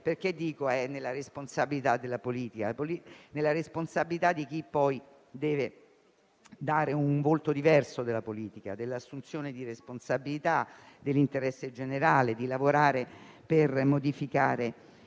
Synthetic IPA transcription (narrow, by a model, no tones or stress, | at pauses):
perk̟ed̪ːiːkoɛnːelːaɾesponsabilit̪ad̪ːelːapoliːt̪ikapolinelːaɾesponsabilit̪ad̪ːik̟ipːɔj | d̪ɛːve | d̪aːɾeuɱvolt̪od̪ivɛrsod̪elːapoliːt̪ika̰d̪elːasːunt̪sjoːned̪iɾesponsabilit̪a | d̪elːint̪eɾɛsːed͡ʒeneɾaːled̪ilavoɾaːɾepermod̪ifikaːɾe